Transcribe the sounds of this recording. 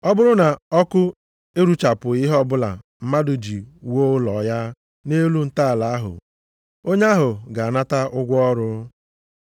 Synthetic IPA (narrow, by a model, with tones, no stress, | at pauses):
ɔ˦bʊ˦ɾʊ˦na˨ɔ˦kʊ˦ | e˦ɾu˦t͡ʃa˨pʊ˨i˦ɦɔ˦bʊ˦la̰˨m̩˦ma˦dʊ˨d͡ʒi˨wo˦lɔ˨ja˦ | ne˦lu˦n̩˦ta˦a˨la˨a˦ɦʊ̰˨ | o˦ɲ˦a˦ɦʊ˨ɡa˨a˨na˦ta˦ʔʊ˦ɡʷɔ˦ɾʊ˦